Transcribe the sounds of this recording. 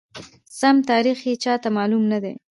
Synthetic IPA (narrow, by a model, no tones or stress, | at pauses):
samt̪ɑɾixjet͡ʃɑt̪amɑlumnad̪e